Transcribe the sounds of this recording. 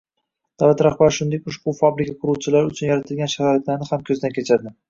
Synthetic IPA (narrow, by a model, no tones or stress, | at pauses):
d̪̥avlat̪ɾahbaɾʃʊnd̪ekʲʊʃbʊfabɾɪkʰʲaqʰʊɾuwt͡ʃʰɪlaɾʊt͡ʃʰʊnjaɾat̪ʰɪlɡʲanʃahaɾat̪laɾnɪhamkʲʰɵzɪd̪ankʲet͡ʃʰaɾd̪ɪ